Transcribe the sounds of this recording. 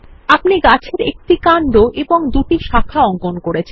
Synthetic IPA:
apniɡat͡ɕʰeɾḛk̚ʈikaɳɖoʔeboŋd̪uʈiʃakʰaɔŋkonkoɾet͡ɕʰe

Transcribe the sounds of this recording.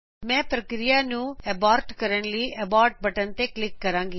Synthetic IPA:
mɛ̃ːpɾəkɾijaːnũːɛːbaːɾʈkəɾəɳliːʔɛbaːɾʈ̚bəʈənt̪eːklɪkːəɾãːŋɡiː

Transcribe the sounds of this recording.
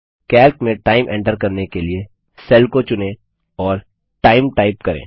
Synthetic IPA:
kɛːlkmẽʈaːɪmʔɛ̰̃ɳʈəɾkɐɾnekelie | sɛːlkot͡ʃʊnẽ | ɔːɾ | ʈaːɪmʈaːɪpkɐɾḛ̃ː

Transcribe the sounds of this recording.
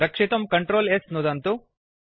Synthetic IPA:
ɾɐkʂit̪ɐmkɐɳʈɾoːlesnud̪ɐnt̪u

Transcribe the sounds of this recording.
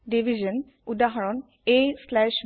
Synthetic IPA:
ɖiʋʱid͡ʒən | ud̪aɦɔɹɔn | eslɛʃ

